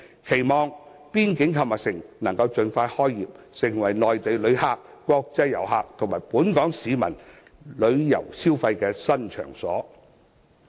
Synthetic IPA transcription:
kʰe˨˩jmɔː˨ŋ | piː˥nkɪ˨˥ŋkʰɐ˧maː˨˩sɪ˨˩ŋnɐ˨˩ŋkɐ˧wt͡sɵ˧nfaː˧jhɔː˥jːiː˨p̚ | sɪ˨˩ŋwɐ˨˩jlɔː˨jt̪e˨jlɵ˨˧ɥhaː˧k̚kːʷɔː˧k̚t͡sɐ˥jjɐ˨˩wɦaː˧k̚t̪ʰo˨˩maː˨˩jpuː˨˥nkɔː˨˥ŋsiː˨˧mɐ̰˨˩n | lɵ˨˧ɥjɐ̰˨˩wsiː˥wfɐ˧jkɛː˧sɐ˥nt͡ʃʰœ̰ː˨˩ŋsɔː˨˥

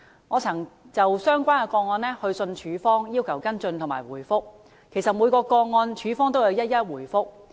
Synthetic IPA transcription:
ŋɔː˨˧t͡sʰɐ˨˩ŋ | t͡sɐ˨wsœː˥ŋkʷaː˥nkɛ˧kɔː˧ŋɔː˧nlɛː˥hɵ˧ɥsɵ˧nt͡ʃʰyː˨˧fɔː˥ŋjiː˥wkʰɐ˨˩wkɐ˥nt͡sɵ˧nt̪ʰʊ˨˩ŋma̰ː˨˩jwuː˨˩jfʊ˥k̚ | kʰːe˨˩jsɐ˨t̚mu˨˧jkɔː˧kɔː˧ŋɔː˧nt͡ʃʰyː˨˥fɔː˥ŋt̪̬o˥wjɐ˧wjɐ˥t̚jɐ˥t̚wuː˨˩jfʊ˥k̚

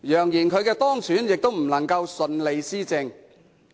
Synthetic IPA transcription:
jœː˨˩ŋjiː˨˩nkʰɵ˨˧ɥkɛː˧t̪ɔː˥ŋt͡sʰyː˨˥njɪ˨k̚t̪o˥wm̩˨˩nɐ˨˩ŋkɐ˧wsɵ˧nle˨˧jsiː˥t͡sɪ˧ŋ

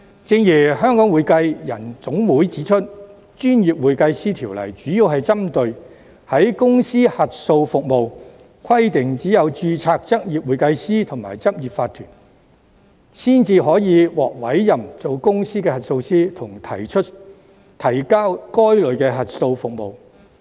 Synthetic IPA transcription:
t͡sɪ˧ŋjiː˨˩hœː˥ŋkɔː˨˥ŋwuː˨˧jkɐ˧jjɐ˨˩nt͡sʊ˨˥ŋwuː˨˥jt͡siː˨˥t͡ʃʰɵ˥t̚ | t͡ʃyː˥njiː˨p̚wuː˨jkɐ˧jsiː˥t̪ʰiː˨˩wlɐ̰˨˩jt͡ʃyː˨˥ji˧wɦɐ˨jt͡sɐ˥mt̪ɵ˧ɥ | hɐ˨˥jkʊ˥ŋsiː˥hɐ˨t̚so˧wfʊ˨k̚mo˨w | kʰwɐ˥jt̪ɪ˨ŋt͡siː˨˥jɐ˨˧wt͡ʃyː˧t͡sʰaː˧k̚t͡sɐ˥k̚jiː˨p̚wuː˨˧jkɐ˧jsiː˥t̪ʰʊ˨˩ŋma̰ː˨˩jt͡sɐ˥p̚jiː˨p̚faː˧t̪ʰyː˨˩n | siː˥nt͡siː˧ɦɔː˨˥jiː˨˧wɔː˨k̚wɐ˨˥jjɐ˨mt͡so˨wkʊ˥ŋsiː˥kɛː˧hɐ˨t̚so˧wsiː˥t̪ʰʊ˨˩ŋt̪ʰɐ˨˩jt͡ʃʰɵ˥t̚ | t̪ʰɐ˨˩jkaː˥wkɔː˥jlɵ˨˧ɥkɛː˧ɦɐ˨t̚so˧wfʊ˨k̚mo˨w

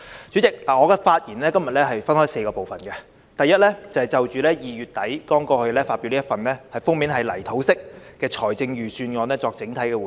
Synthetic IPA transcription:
t͡ʃy˨˥t͡sɪ˨k̚laː˨ŋɔː˨˧kɛ˧faː˧t̚jiː˨˩nlɛː˥kɐ˥mjɐ˨t̚lɛː˥ɦɐ˨jfɐ˥nhɔː˥jse˧kɔː˧po˨wfɐ˨˩nkɛ˧ | t̪ɐ˨jːɐ˥t̚lɛː˥t͡sɐ˨whɐ˨˩jt͡sɐ˨wt͡ʃyː˨lɛː˥jiː˨jyː˨t̚t̪ɐ˨˥jkɔː˥ŋkɔː˧hɵ˧lɛː˥faː˧tpi˨˧wliː˥ɐ˥tfɐ˨nlɛː˥hɐ˨jfʊ˥ŋmiː˨˥nɦɐ˨jlɐ˨˩jt̪ʰo˨˥wsɪ˥k̚kɛː˧t͡ʃʰɔː˨˩jt͡sɪ˧ŋjyː˨˩syː˧nŋɔː˨˧nɛː˥t͡sɔː˧k̚t͡sɪ˨˥ŋt̪ʰɐ˨˥jkɛː˧˨

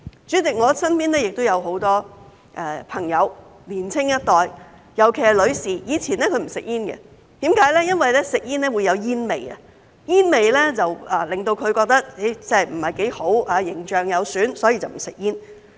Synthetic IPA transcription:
t͡ʃyː˨˥t͡sɪ˨k̚ŋɔː˨˧sɐ˥npiː˥nlɛː˥jɪ˨k̚t̪o˥jɐ˨˧wɦo˨˥wt̪ɔː˥ | ʔɛː˨pʰɐ˨˩ŋjɐ˨˧wliː˨˩nt͡sʰɪ˥ŋjɐ˥t̚t̪ɔː˨j | jɐ˨˩wkʰe˨˩˨lɵ˨˧ɥsiː˨jiː˨˧t͡sʰiː˨˩nɛː˥kʰɵ˧ɥm̩˨˩sɪ̰˨k̚jiː˥nɡɛ̰˧ | t̪iː˨˥mkaː˨˥jlɛː˥jɐ˥nwɐ˨jlɛː˥sɪ˨k̚jiː˥nɛː˥wuː˨˧jːɐ˨˧wjiː˥nme˨jɐ̰˧ | jiː˥nme˨jlɛ˥t͡sɐ˨waː˨˩lɪ˨ŋt̪o˧wkʰɵ˨˧ɥkɔː˧k̚t̪ɐ˥k̚e˨˥jt͡sɛ˥˩ɐ˨˩m̩˨˩hɐ˨˩jke˨˥jho˨˥waː˨˧jɪ˨˩ŋt͡ʃœː˨ŋjɐ˨˧wsyː˨˥nsɔː˨˥jiː˧t͡sɐ˨wm̩˨˩sɪ˨k̚jiː˥n

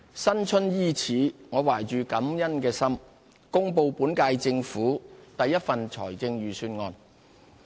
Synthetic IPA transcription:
sɐ˥nt͡ʃʰɵ˥njiː˥t͡sʰiː˨˥ŋɔː˨˧waː˨˩jt͡ʃyː˨kɐ˨˥mjɐ˥nkɛː˧sɐ˥m | kʊ˥ŋpo˧wpuː˨˥nkaː˧jt͡sɪ˧ŋfuː˨˥t̪ɐ˨jːɐ˥t̚fɐ˨nt͡ʃʰɔ̰ː˨˩jt͡sɪ˧ŋjɥyː˨˩syː˧nŋɔː˧n

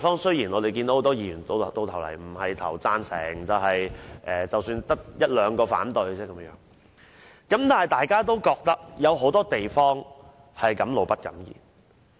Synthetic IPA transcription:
fɔː˥ŋsɵ˥ɥjiː˨˩nɔ˨˧e˨jkiː˧nd̪o˧˥ho˨˧˥t̪ɔː˥jiː˧˩jyː˨˩nt̪o˧˨t̪o˧wt̪ʰɐ˨˩wlɐ̰˨˩jm̩˨˩hɐ˨jt̪ʰɐ̰˨˩wt͡saː˧nsʰɛ̰ː˨˩ŋt͡sɐ˨wɦɐ˨jʔɛː˨˩t͡sɐ˨wsyː˧nt̪ɐ˥k̚jɐ˥t̚lœː˨˧ŋkɔː˧fa̰ː˨˥nt̪ɵ˨˧ɥt͡sɛː˥kɐ˨˧m˥jœː˨˧˥ŋ | kɐ˨˥mt̪aː˨nhɐ˨jt̪aː˨jkaː˥t̪o˥wkɔː˧k̚t̪ɐ˥k̚jɐ˨˧wɦo˨˥wt̪ɔː˥t̪e˨jfɔː˥ŋ | hɐ˨jkɐ˨˥mlo˨wpɐ˥t̚kɐ̰˨˥mjḭː˨˩n

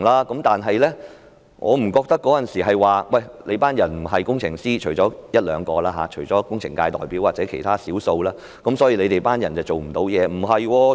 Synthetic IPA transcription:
ŋlaː˥kɐ˨˥mt̪aː˨nɦɐ˨jlɛ˥ | ŋʔɔ̰ː˨˧m̩˨˩kɔː˧k̚t̪ɐ˥kːɔː˨˥jɐ˨nsiː˨˩ɦɐ˨jwaː˨wɐ˥˨˩jle˨˧jpaː˥njɐ˨˩nm̩˨˩ɦɐ˨jkʊ˥ŋt͡ʃʰɪ˨˩ŋsiː˥t͡ʃʰɵ˨˩jt͡ʃɔː˨˥jɐ˥t̚lœː˨˧ŋkɔː˧laː˥ɦa̰˨˥t͡ʃʰɵ˨˩jt͡sɔː˨˦˥kʊ˥ŋt͡sʰɪ̰˨˩ŋkaː˧jt̪ɔː˨jpiː˨˥waː˨k̚t͡sɛː˨˧˥kʰe˨˩jt̪ʰaː˥siː˨˥wso˧wlaː˥ | kɐ˨˥msɔː˨˥jiː˧le˨˧t̪e˨˩jpaː˥njɐ˨˩nt͡sɐ˨wt͡so˨wm̩˨˩t̪o˨˥wjɛː˨˧m̩˨˩ɦɐ˨jwɔː˧

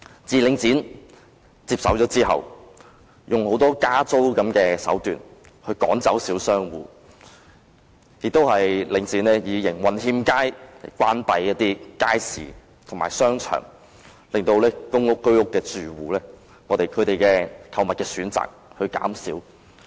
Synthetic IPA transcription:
t͡siː˨lɪ˨˧ŋt͡siː˨˥n | t͡siː˧p̚sɐ̰˨˧wt͡ʃɔː˨˥t͡siː˥ɦɐ̰˨w | jʊ˨ŋho˨˥wt̪ɔː˥kaː˥t͡so˥wkɐ˨˥mkɛː˧sɐ̰˨˥wt̪yː˨˩n | hɵ˧ɥkɔ̰ː˨˥ŋt͡sɐ˨˥wsiː˨˥wsœː˥ŋwṵː˨˩ | jɪ˨k̚t̪o˥whɐ˨jlɪ˨˧ŋt͡siː˨˥nlɛː˥jiː˨˧jɪ˨˩ŋwɐ˨nhiː˧mkaː˥jlɐ˨˩kʷwaː˥npɐ˧˥jːɐ˥t̚t̪iː˥kaː˥jsḭː˨ | t̪ʰʊ˨˩ŋmaː˨˩sœː˥ŋt͡ʃʰœ̰ː˨˩ŋ | lɪ˨ŋt̪o˧wlɛː˥kʊ˥ŋʊ˥kːɵ˥ɥʊ˥kːɛː˧t͡syː˨wuː˨lɛː˥ | ŋɔː˨˧t̪e˨jkʰɵ˨˧ɥt̪e˨jkɛː˧kʰɐ˨˧wmɐ˨t̚kɛː˧syː˨˥nt͡sa̰ː˨k̚hɵ˧ɥka̰ː˨˥msiː˨˥w

